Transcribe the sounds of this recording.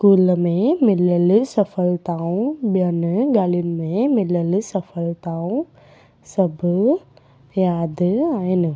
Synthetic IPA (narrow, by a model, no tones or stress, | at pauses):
skuːlmẽmɪləlsəfʰəlt̪aːũbjɐnɡaːlinmẽmɪləlsɐfʰəlt̪aːũ | səb | jaːd̪aːinɨ